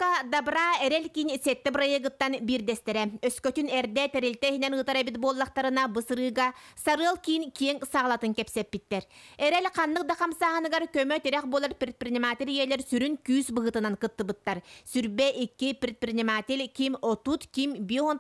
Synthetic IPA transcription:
kad̪abɾaːɛɾɛlʲkiːnsɛt̪ːɛprajɯɡɯt̪ːanbiːɾd̪ɛst̪ɛɾɛœskœt̪ynɛɾd̪ɛt̪ɛɾilʲt̪ɛɦinɛnɯt̪aɾɛbit̪̚buɔlˠːaqt̪aɾɯnabɯsɯɾɯːɡasaɾɯɐlˠkinkʲiɛŋsaʁlˠat̪ɯŋkɛpsɛpːit̪ːɛɾɛɾɛlʲqanːɯq̚d̪aqamsaːɦɯnɯɡaɾkœmœt̪iɾɛχbuɔlˠaɾpɾʲit̪̚pɾʲinʲimaːt̪ʲilʲijɛlʲɛɾsyɾynkyːsbɯɦɯt̪ɯnaŋkɯt̪ːɯbɯt̪ːaɾsyɾbɛʔikːipɾʲit̪̚prinʲimaːt̪ʲilʲkimɔt̪ut̪kimbiɔɦɔn

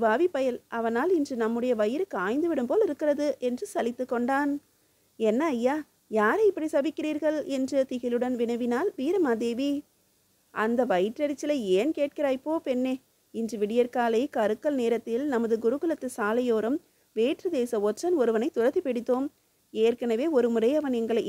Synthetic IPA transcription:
ʋaːʋipɐjɐlɐʋɐnaːlɪndrɯnɐmːɯɽɐjɐʋɐjɪɾɯkːɯaːjnd̪ɯʋɪɽɯmpoːlɪɾɯkːɪɾɐðɯʔɛndrɯsɐlɪt̪ːɯkːɔɳɖaːn | ɛnːɐːjːaː | jaːɾɐɪpːɐɽisɐʋɪkːɪriːɾɣɐɭɛndrɯt̪ɪɣɪlɯɽɐnʋɪnɐɪʋɪnaːlʋiːɾɐmaːd̪eːʋi | ʔɐnd̪ɐʋɐjʈɾɐɾɪt͡ʃːɪlɐeːnkeːʈ̚kɪɾaːɪpːoːpɛnːeː | ɪndrɯʋɪɽɪjɐɾkaːlɐɪkɐɾɯkːɐlneːɾɐt̪ːɪlnɐmɐðɯɡʊɾɯɣɯlɐt̪ːɯsaːlɐjoːɾɯm | ʋeːʈrɯd̪eːsɐɔt͡ʃːɐnɔɾɯʋɐnɐɪt̪ʊrɐt̪ːipɪɽɪt̪ːoːm | eːrkɐnɐʋeːɔɾɯmɯɾɐɪɐʋɐnɛŋɡɐɭɐɪ

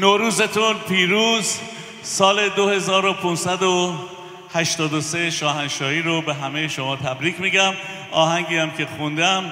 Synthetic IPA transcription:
noɾuːzet̪ʰunpʰiːɾuːz | sɒːle̞d̪ohe̞zɒːɾo̞pʰunsæd̪o | hæʃt̪ɒːd̪oseʃɒːɦænʃɒːhiːɾobe̞ɦæmejeʃomɒːt̪ʰæbɾiːkʰmiːɟæm | ɒːɦæŋɟiːæmcʰe̞xund̪æm

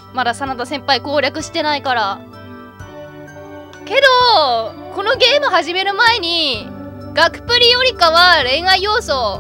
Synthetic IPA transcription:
mad̪asanat̪asẽ̞mpaiko̞ːɾʲakɯ̟ɕi̥t̪e̞naikaɾa | ke̞d̪o̞ko̞no̞ɡe̞ːmɯ̟haʑime̞ɾɯ̟mae̞ɲ̟i | ɡ̥akɯ̟̥pɯ̟ɾʲijo̞ɾʲikaβaɾe̞ːŋaijo̞ːso̞

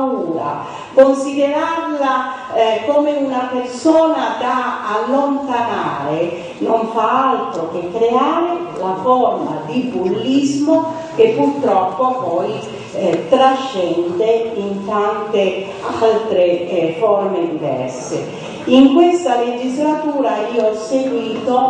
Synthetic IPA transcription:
uːɾa̰ | konsid̪eɾarla | komeunapersɔːnad̪aːlːont̪ana̰ːɾe | noɱfaalt̪ɾok̟ekːɾeaːɾelafɔrma̰d̪ibulːizmo | kepːurt̪ɾɔpːopɔj | t̪ɾaʃːɛnd̪eint̪ant̪e | alt̪ɾefɔrmed̪ivɛ̰rsḛ | iŋkwest̪aled͡ʒizlat̪uːɾaiːoɔsːeɡwiːt̪o

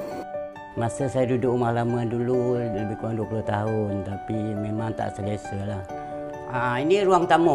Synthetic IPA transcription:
masəsajadudʊʔumahlamadululəbɪhkuaŋduəpuloht̪aɦʊnt̪apimemaŋt̪a̰ʔsəliasəlah | ainiɾuaŋt̪amɔ

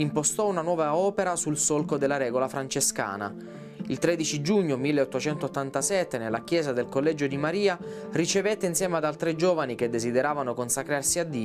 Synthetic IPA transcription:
impost̪ɔunanwɔːvaɔːpeɾasulsolkod̪elːaɾɛːɡolafɾant͡ʃeska̰ːna̰ | ilt̪ɾɛd̪it͡ʃid͡ʒuɲːomilːeot̪ːot͡ʃɛnt̪ot̪ːant̪asɛt̪ːenelːakjɛːzad̪elkolːɛd͡ʒod̪imaɾiːa | rit͡ʃevet̪ːeinsjɛːmead̪alt̪ɾed͡ʒɔːvanik̟ed̪ːezid̪eɾaːvanokonsakɾarsiad̪ːiːo

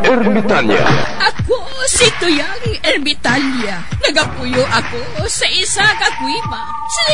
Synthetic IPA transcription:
ɛɾmɪt̪alja̰ʔɐko | sit̪ʊjaŋɛɾmɪt̪alja | nɐɡɐpʊjoʔɐkosɐʔɪsakɐkwiba | si

